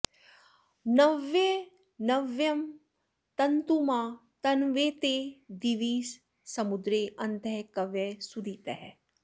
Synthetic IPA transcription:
nɐʋe | nɐʋjɐm | t̪ɐnt̪umãt̪ɐnʋeːt̪ed̪iʋiːsː | ɐmʊd̪ɾeːʔɐ̃nd̪ʱɛkɐʋesud̪it̪ɐɦɛ

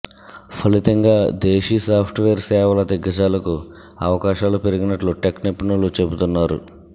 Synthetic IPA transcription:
pʰɐlit̪ɐŋɡaːd̪eːʃisaːpʰʈʋeːɾsɛːʋɐlɐd̪iɡːɐt͡ʃaːlɐku | ɐʋɐkaːʃaːlupe̞ɾiɡinɐʈluʈeknipːnulut͡ʃe̞but̪unːaːɾṵ

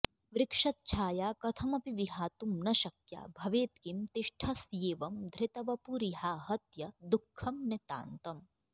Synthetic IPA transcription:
ʋɾɪkʂɐt̪̚t͡ʃʰaːjaːkɐt̪ʰɐmɐpiʋiɦaːt̪umnɐʃɐkja̰ːbʱɐʋeːt̪kimt̪ɪʃʈʰɐsjeːʋɐmd̪ʱɾɪt̪ɐʋɐpuɾiɦaːɦɐt̪jɐd̪ukʰːɐmnet̪a̰ːnt̪ɐm

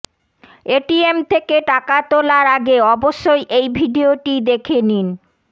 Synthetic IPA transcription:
eʈiemt̪ʰekeʈakat̪olaɾaɡeɔboʃːojʔejbʱiɖioʈid̪ekʰenin

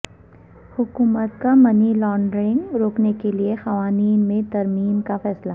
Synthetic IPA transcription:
hʊkuːmət̪kamɐnilɔːɳɖɾɪ̃ŋɡɾoːknekeliexɐʋaːniːnmẽt̪ɐɾmiːmkafɛːsla

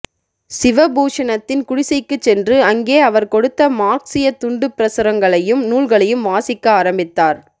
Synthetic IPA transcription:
sɪʋɐbuːʂɐnɐt̪ːɪnkʊɽɪsɐɪkːɯt͡ʃːɛndrɯɐŋɡeːɐʋɐɾkɔɽɯt̪ːɐmaːksɪjɐt̪ːʊɳɖɯpɪɾɐsɯɾɐŋɡɐɭɐjɯmnuːɭɣɐɭɐjɯmʋaːsɪkːɐaːɾɐmbɪt̪ːaːɾ

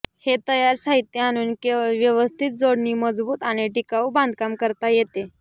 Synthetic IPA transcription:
het̪əjaɾsaɦit̪jəaɽ̃uːnkeʋjəʋəst̪ʰit̪̚d͡zoɽɳiːməd͡zbuːt̪aɽ̃iʈikaubãnd̪ʱkamkəɾt̪ajet̪e

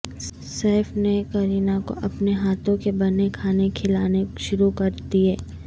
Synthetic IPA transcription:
sɛːfnekɐɾiːnako̰ʔɐpneɦaːt̪õkebɐnekʰaːnekʰɪlaːneʃʊɾukɐɾt̪iɦɛː

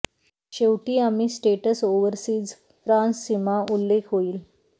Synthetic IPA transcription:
ɕewʈiːamiːsʈeʈəsoʋəɾsiːd͡z | fɾãnsːimaʔulːekʰɦoiːl

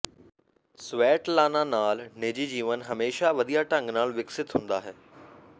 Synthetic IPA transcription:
sʋeːʈlaːnanaːlneːd͡ʑid͡ʑiːʋənɦɐmeːʃaʋɐd̪ʱijaʈə̃ŋɡnaːlʋɪksɪt̪ɦũːnd̪aɦɛː

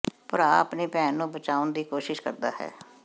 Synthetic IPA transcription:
pəɾaːəpneːpɛːnːũːbət͡ʃaːʊnd̪iːkoːʃɪʃkəɾd̪aːɦɛ̰ː

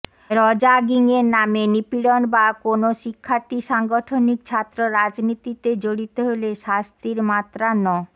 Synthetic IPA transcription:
ɾɔd͡ʑaɡiŋeɾnamenipiɽonbakonoʃikʰːaɾt̪iʃaŋɡoʈʰonik̚t͡ɕʰat̪ːɾoɾad͡ʑnit̪it̪ed͡ʑoɽit̪oɦoleʃast̪iɾmat̪ːɾanɔ

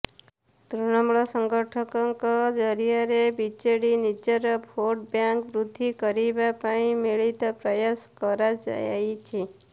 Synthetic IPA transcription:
t̪ɾunɔmɭɔsəŋɡəʈʰəkɔŋkɔd͡ʒəɾijaɾebit͡ʃeɽinid͡ʒəɾəpʰoʈ̚bjaŋkʋɾud̪ʱːikəɾibapaɳĩmeɭit̪apɾəjaskəɾad͡ʒa̰ja̰it͡ʃʰe

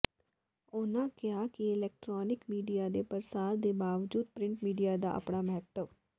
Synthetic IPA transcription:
ʊnãːkɪjaːkiɪlɛːk̚ʈɾɔːnɪkmiːɖijaːd̪eːpəɾsaːɾd̪eːbaːʋd͡ʒuːd̪̚pɾɪ̃ɳʈmiːɖijaːd̪a̰ːʔə̰pɳaːməɦət̪ːəʋ

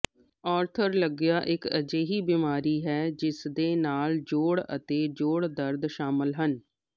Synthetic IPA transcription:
ɔːɾt̪ʰəɾləɡjaːʔɪkəd͡ʒeːɦiːbiːmaːɾiːɦɛːd͡ʒɪsd̪eːnaːld͡ʒoːɽə̰t̪eːd͡ʒoːɽd̪əɾd̪ʃaːməlɦən

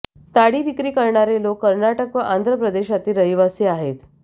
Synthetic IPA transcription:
t̪aɽiːʋikɾiːkəɾɳaɾelokːəɾɳaʈəkʋəʔand̪ʱɾəpɾəd̪eɕat̪iːɾəɦjʋasiːaɦet̪

